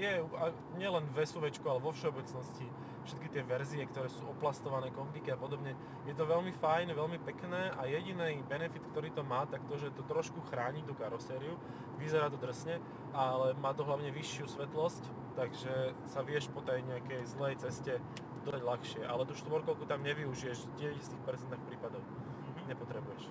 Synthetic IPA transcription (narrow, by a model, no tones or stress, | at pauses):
jɛua | ɲɪɛlɛnʋɛsuʋɛt͡ʃkualɛʋɔfʃɛɔbɛt͡snɔsci | fʃɛt̪kit̪ɪɛʋɛɾziɛkt̪ɔɾɛːsuːɔplast̪ɔʋanɛːkɔmb̪ikiapɔd̪ɔbɲɛ | jɛt̪̬ɔʋɛlmifajnʋɛlmipɛknɛːʔajɛɟinibɛnɛfit̪kt̪ɔɾiːt̪ɔmaːt̪akt̪ɔʒɛt̪ɔt̪ɾɔʃkuxɾaːɲit̪ukaɾɔsɛːɾiu | ʋizɛɾaːt̪ɔd̪r̩sɲɛ | ʔalɛmaːt̪ɔɦlaʊɲɛʋiʃːɪusʋɛt̪lɔsc | t̪ːaɡʒɛ | saʋɪɛʃpɔt̪ɛjɲɛakɛjzlɛjt͡sɛscɛ | d̪ɔd̪aɟlaxʃɪɛʔalɛt̪uʃt̪ʋɔɾkɔlkut̪amɲɛʋiuʒijɛʒɟɛʋɛɟist̪iːxpɛɾt͡sɛnt̪axpɾiːpad̪ɔʊ | ɲɛpɔt̪ɾɛbujɛʃ